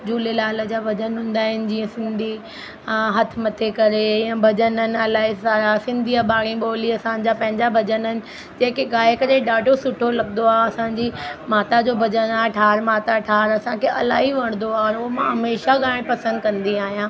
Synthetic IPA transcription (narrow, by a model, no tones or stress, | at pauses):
d͡ʑuːlelaːlə̆d͡ʑaːbʱɐd͡ʑənɦʊ̃ːn̆d̪aːɦɪnɪ̆d͡ʑiːə̃sɪ̃nd̪ʱi | aɦɐt̪ʰmɐt̪ʰekɐɾejãbʱɐd͡ʑənən̆ɐlaːɦisaːɾasɪ̃nd̪ʱiabaːɽĩɓoːliɐsãɲd͡ʑapɐ̃ɦɪ̃ɲd͡ʑabʱɐd͡ʑənənɪ̆ | d͡ʑeːkeɠaːɦekɐɾeɗaːɖʱosʊʈʰolɐɠnd̪oaːɐsãːɲd͡ʑimaːt̪ad͡ʑoːbʱɐd͡ʑənaːʈʰaːɾmaːt̪aʈʰaːɾɐsãkʰeʔɐ̰la̰ːɦiʋɐɽ̃nd̪oaːɔɾoɦmãɦɐmeːʃaɠaːɪɽ̃pɐsə̃nd̪̚kɐ̃nd̪iaːɦijãː